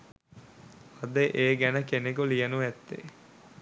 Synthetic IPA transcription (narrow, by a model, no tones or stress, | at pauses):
ɐd̪əʔeːɡænəkenekulijənuʋɛt̪ːḛ